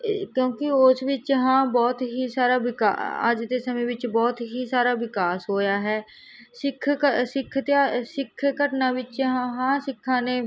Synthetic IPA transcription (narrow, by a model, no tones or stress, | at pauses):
kjõːkɪosʋɪt͡ʃjəɦãːbɔːt̪ɦisaːɾaːʋɪka̰a̰ːd͡ʒd̪esəmẽʋɪt͡ʃbɔːt̪ɦisaːɾaːʋɪkaːsɦoːjaːɦɛː | sɪkʰːsɪkʰːt̪asɪkʰːkəʈnaːʋɪt͡ʃjəɦãɦãːsɪkʰːãːnẽː